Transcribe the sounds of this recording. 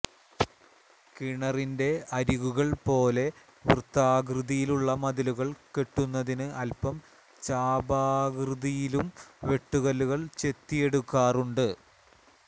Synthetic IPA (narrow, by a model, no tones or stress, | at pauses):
kiɳɐrinde̞ɐɾuɣuɣɐɭpo̞ːle̞ | ʋirt̪ːaːɡrɨðijiluɭːɐmɐðɐluɣɐɭke̞ʈːunːɐðinɨʔɐlpɐm | t͡ɕaːbaːɡrɨðijilumʋe̞ʈːuɣɐluɣɐɭt͡ɕe̞t̪ːije̞ɽukːaːruɳɖɨ